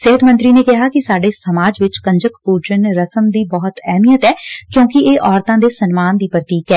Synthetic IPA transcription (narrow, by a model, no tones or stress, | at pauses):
sɪɦət̪mə̃nt̪ɾiːneːkɪɦaːkɪsaːɖeːsəmaːd͡ʒʋɪt͡ʃkə̃ɲd͡ʒəkpuːd͡ʒənɾəsəmd̪iːbɔːʊt̪ɛːmiːət̪ɛːkjõːkɪeːʔɔːɾt̪ãːd̪eːsənmaːnd̪iːpɾət̪iːkɛː